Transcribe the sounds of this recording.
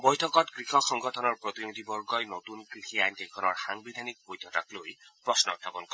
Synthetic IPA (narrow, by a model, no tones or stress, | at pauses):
bɔjtʰɔkɔtkɾixʰɔxɔŋɡɔtʰɔnɔɾpɾɔt̪inid̪ʱibɔɾɡɔjnot̪unkɾikʰiajntekʰɔnɔɹxaŋbid̪ʱanik̚pɔjt̪ʰɔtaklojpɾɔsnɔt̪ʰːapɔnkɔ